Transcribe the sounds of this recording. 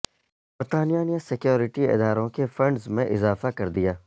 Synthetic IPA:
bɐɾt̪aːnijaːnijasɪkjoːɾɪʈiɪ̰d̪aːɾõkefɾɐ̃ɳɖzmẽʔɪzaːfakɐɾd̪ijaː

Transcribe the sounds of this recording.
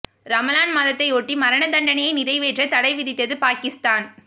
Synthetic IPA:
ɾɐmɐlaːnmaðɐt̪ːɐɪoːʈːimɐɾɐɳɐd̪ɐɳɖɐnɐjɐɪnɪrɐɪʋeːʈrɐt̪ɐɽɐɪʋɪðɪt̪ːɐðɯpaːkɪst̪aːn

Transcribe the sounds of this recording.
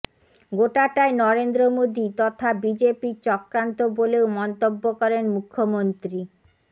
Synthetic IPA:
ɡoʈaʈaenɔɾend̪ɾomod̪it̪ɔt̪ʰabid͡ʑepit͡ɕɔkɾant̪oboleomɔnt̪obːokɔɾenmukʰːomont̪ɾi

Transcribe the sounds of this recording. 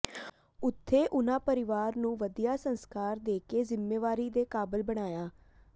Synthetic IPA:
ʊt̪ʰːeːʔʊnãːpəɾɪʋaːɾnũːʋəd̪ijaːsənskaːɾd̪eːkeːzɪmːeːʋaːɾiːd̪eːkaːbəlbəɽ̃aːjaː

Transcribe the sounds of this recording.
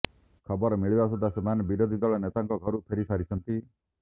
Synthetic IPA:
kʰɔbɔɾɔmiɭibas̬ud̪ʱasemanebiɾod̪ʱid̪ɔɭɔnet̪aŋkɔɡʱɔɾupʰeɾisaɾit͡ʃʰɔnt̪i

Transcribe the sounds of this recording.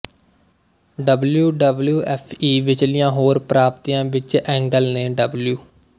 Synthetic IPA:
ɖəbljuːɖəbljuːʔɛːpʰiːʋɪt͡ʃlɪjãːɦoːɾpɾaːpt̪iːjãːʋɪt͡ʃɛ̃ːŋɡəlnẽːɖəbljuː

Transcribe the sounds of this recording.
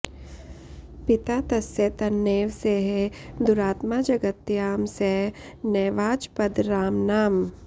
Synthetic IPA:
pɪt̪aːt̪ɐset̪ɐnːeːʋseɦed̪ʊɾaːt̪mad͡ʒɐɡət̪ːjaːmsɛɦ | nɛːʋaːd͡ʒpɐd̪ɾaːmnaːm

